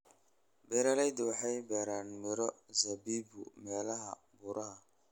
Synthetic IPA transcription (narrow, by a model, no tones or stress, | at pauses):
bɛɾalɛd̪ʊħajbɛɾanmɪɾɔzɐbiːbʊ̰mɛːlɐɦɐ̰ | bʊɾʔɐhɐ